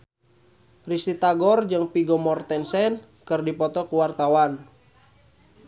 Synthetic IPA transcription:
rist̪it̪aɡɔrd͡ʒɨŋpiɡɔmɔrt̪ɛnsɛn | kɨrdipɔt̪ɔkuwart̪awan

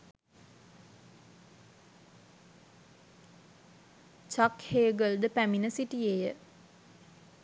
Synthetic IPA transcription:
t͡ʃakheːɡəld̪əpæminəsiʈijejə

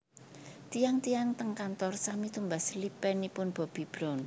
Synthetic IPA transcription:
t̪ijaŋt̪ijaŋt̪əŋkant̪ɔrsamit̪umbaslipɛnipʊnb̥ɔ̤b̥i̤b̥ɾɔn

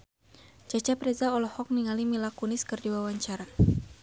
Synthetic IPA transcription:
d͡ʒat͡ʃapɾɛzaɔlɔhɔk̚niŋalimilakunɪskɨrdiwawaɲt͡ʃaɾa

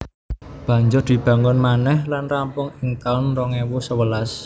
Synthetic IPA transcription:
b̥ä̤ɲd͡ʒʊrd̪̥i̤b̥ä̤ŋɔnmanɛhlanrampʊŋɪŋt̪anrɔŋewusəwəlas

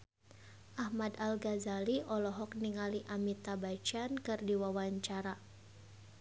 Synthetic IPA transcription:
ʔahmad̪alɡazaliʔɔlɔɦɔk̚niŋaliʔamit̪abat͡ʃankɨrdiwawaɲt͡ʃaɾa

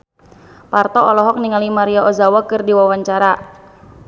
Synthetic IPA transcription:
part̪ɔɔlɔɦɔk̚niŋalimaɾiaɔzawakɨrdiwawaɲt͡ʃaɾa

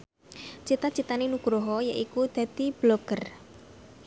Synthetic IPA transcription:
t͡ʃit̪at͡ʃit̪anenuɡ̥ɾoɦɔjaʔikud̪̥ä̤d̪̥i̤b̥loɡ̥ər

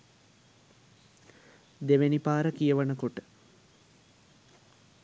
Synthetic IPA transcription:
d̪eʋenipaːɾəkijəʋənəkoʈə̥

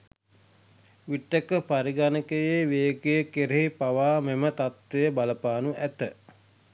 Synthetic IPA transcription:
ʋiʈːekəpaɾiɡanəkəjeʋeːkejəkeɾeɦipaʋaːmemət̪at̪ʋejəbaləpaːnuʔæt̪ə

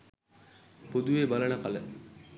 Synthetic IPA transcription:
pod̪uʋeːbalənəkalə

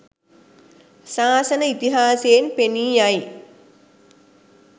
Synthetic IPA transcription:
saːsənəit̪iɦaːseːnpeniːaj

